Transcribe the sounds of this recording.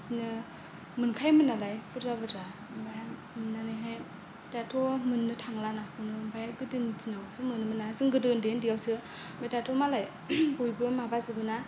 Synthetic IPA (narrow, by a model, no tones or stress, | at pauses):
sinɯ | mɯnkʰajmɯnalajpʰɯtzabɯdɾa | baj | mɯnːanɯjɦaj | datʰɔmɯnːɯtʰaŋlanakʰɯnɯbajaɡɯdɯntinawsɯŋmɯnɯmɯnazɯŋɡɯdɯndendijawsɯ | badatʰɔmalaj | bujbɯmabazibɯna